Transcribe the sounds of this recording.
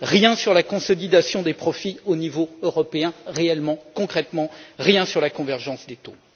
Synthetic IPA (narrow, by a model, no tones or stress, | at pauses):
ʁjɛ̃syʁlakɔ̃sɔlid̪asjɔ̃d̪epχɔfionivoøʁɔpeɛ̃ʁeɛlmɑ̃kɔ̃kχɛt̪mɑ̃ʁjɛ̃syʁlakɔ̃vɛʁʒɑ̃sd̪et̪o